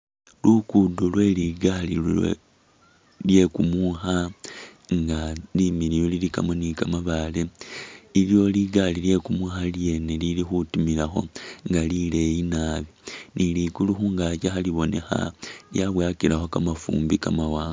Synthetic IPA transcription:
lukudolwe̞liɡalil̰ | lje̞kumuxa | ŋɡalimiɾijolilika̰monikamaβale | iljo̞liɡalilje̞kumuxalje̞nelilixutumilaxo̞̰ŋɡalile̞jinaːβinilikuluxuːŋɡat͡ʃaxaliβo̞ne̞xa̰ljaβwaːkiɾaxo̞kamafṵːmbikamawaːŋɡa

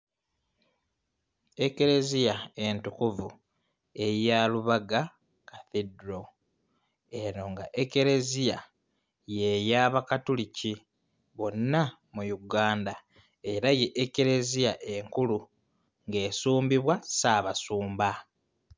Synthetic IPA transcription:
eke̞ɾe̞zijae̞ntukuvu | e̞jaluβaɡa | kaθedɾo | e̞ɾo̞ŋɡaʔeke̞ɾe̞zija | jejaːβakatulici | βo̞nːa | mujuɡaːnda | e̞ɾajeʔːke̞ɾe̞zijaʔe̞ŋkulu | ŋɡe̞ːsuːmbiβwasaːβasuːmba

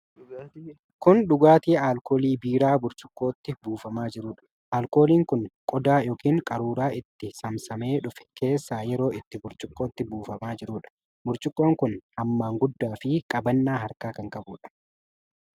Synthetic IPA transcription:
kʊnɗʊɡaːt̪iːʔaːlkoːliːbiːɾaːbʊɾt͡ʃʼʊ̥kʼːoːt̪ːɪbuːfɐmaːd͡ʒɪɾuːᶑɐ̥ | ʔaːlko̞ːliːŋkʊnkʼɔd̪aːjoːkiːŋkʼɐɾuːɾaːʔɪt̪ːɪsɐmsɐme̞ːᶑʊfɛ̥kʰe̞ːsːaːjɛɾo̞ːʔɪt̪ːɪbʊɾt͡ʃʼʊkʼːo̞ːt̪ːɪbuːfɐmaːd͡ʒɪɾuːᶑɐ̥ | bʊɾt͡ʃʼɪkʼːo̞ːŋkʊnʔɐmːaːŋɡʊd̪ːaːfɪkʼɐbɐnːaːɦɐɾkaːkɐŋkʼɐbuːᶑɐ̥

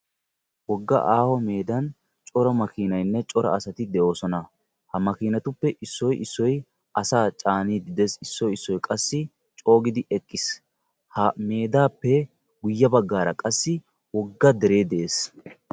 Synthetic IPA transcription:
wɔɡːɐ̰ʔaːhɔme̞ːd̪ɐn | t͡ʃʼɔɾɔmɐkiːnɐjnːɛt͡ʃʼɔɾɐ̰ɐsɐt̪ɪd̪ɛo̞ːsɔnɐ | hɐmɐkiːnɐt̪ʊpːɛʔɪsːɔjʔɪsːɔj | ɐsaːt͡ʃʼaːniːd̪ɪd̪ɛsɪsːɔjɪsːɔjkʼɐsːɪ | t͡ʃʼo̞ːɡɪd̪ɪʔɛkʼːɪs | hɐme̞ːd̪aːpːɛ | ɡʊjːɐbɐɡːaːɾɐkʼɐsːɪ | wɔɡːɐd̪ɛɾe̞ːd̪ɛʔeːs

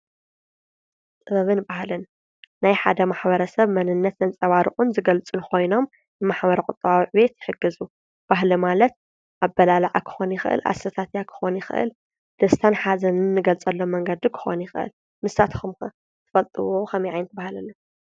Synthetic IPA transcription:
t̪ʼɨβɐβɨnbahlɨnː | ajħa̰d̪ɐmaħbɐɾɐsɐβmɐnɨnːɐt̪zɐnt͡sʼɐβaɾɨχʼunzɨɡɐlt͡sʼɨnkʰo̞jno̞m | nɨmaħbɐɾɐkʼʊt̪ʼɨβawiʕβe̞t̪jɪħɨɡɨzu | b̥aɦlimalɐt̪̚ | ʔabːɐlalaʕakʰɨ̥xo̞njɪxɨʔɨ̰lʔa̰sɐt̪ʰat̪jakʰɨ̥xo̞njɪxɨ̰ʔɨ̰l | d̪̥ɐst̪ʰanħazɐnɨnːɨɡɐlt͡sʼɐlːo̞mːɐŋɡɐd̪ikʰɨ̥xo̞̰njɪxɨʔɨ̰l | mɨsːat̪kʰumkɐ | t̪ʰɨ̥fɐlt̪ʼɨwokʰɐmiʕajnt̪̚bahlɐlːɐ

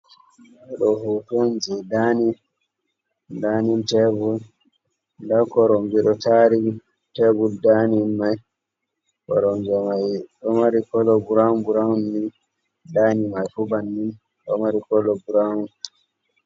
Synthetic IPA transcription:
ɛɗɔhutɔnd͡ʒɛdani | daːnintɛbul | dakɔɾɔmɡiɗɔtaɾi | tɛbuldaninmaj | kɔ̰ɾɔnd͡ʒɔmajɗɔmaɾikɔlɔɡuɾaunbuɾaunːin | daːnimajfubanːin | ɗɔ̰maɾikɔlɔɡuɾawun

